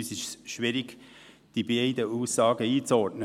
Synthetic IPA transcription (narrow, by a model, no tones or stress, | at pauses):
ysɪʃsʃʋɪɾɪɡ̥ | d̥ibeɪd̪əuːsːɑːɡəiːt͡sɔɾtnə